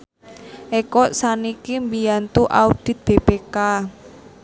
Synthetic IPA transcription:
ʔekɔʔsanikimbijant̪uʔa̰ud̪̥i̤t̪̚b̥ebeka

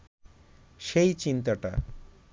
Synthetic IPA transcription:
ʃejt͡ɕint̪aʈa̰

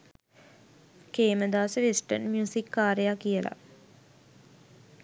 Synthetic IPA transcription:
keːməd̪aːsəʋisʈə̰nmjuːsikːaːɾejakːijəlʔa̰

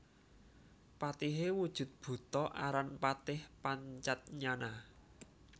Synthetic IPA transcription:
pat̪iɦewud̥ʒ̥ṳt̪̚b̥ṳt̪ɔʔaɾanpat̪ɪhpaɲt͡ʃat̪̚ɲana

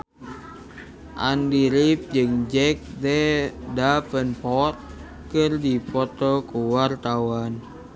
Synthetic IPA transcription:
ʔa̰ndiɾip̚d͡ʒɨŋd͡ʒɛk̚dɛdapənpɔt̪̚ | kɨrdipɔt̪ɔkuwart̪awan

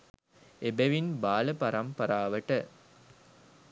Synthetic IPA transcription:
ebeʋinbaːləpɐɾɐmpɐɾaːʋəʈə

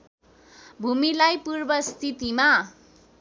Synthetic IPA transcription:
bʱumilajpurbʌst̪ʰit̪ima

